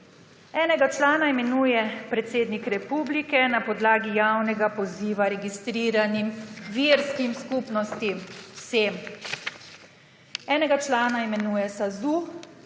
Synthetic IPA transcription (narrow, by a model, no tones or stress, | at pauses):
ɛːnɛɡat͡ʃlaːnaimɛnuːjɛpɾɛt̪seːd̪nikɾɛpuːblikɛnapɔd̪laːɡijawnɛɡapɔziːʋaɾɛɡist̪ɾiːɾanimʋiɾskimskupnɔst̪imsem | ɛːnɛɡat͡ʃlaːnaimɛnuːjɛsazuː